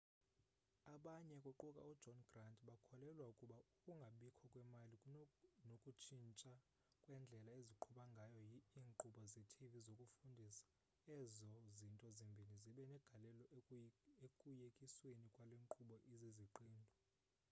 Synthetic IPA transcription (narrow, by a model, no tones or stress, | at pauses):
aɓaɲɛkʼuǃukʼa̰ud̥ʒ̥ʱɔnɡrantʼɓakʰɔlɛlwaukʼuɓaukʼuŋɡʱaɓikʰɔkʼwɛmalinokʼut͡ʃʰint͡ʃʼa | kʼwɛnd͡ɮʱɛlaeziǃʰuɓaŋɡʱajɔiiːŋǃuɓɔzitʰivizokʼufundʱisḁ | ɛzɔzintʼɔzimbʱiniziɓɛnɛɡ̥ʱalɛlɔ | ekʼujekʼiswenikʼwaleŋǃʰuɓɔʔiziziǃiːndʱɔ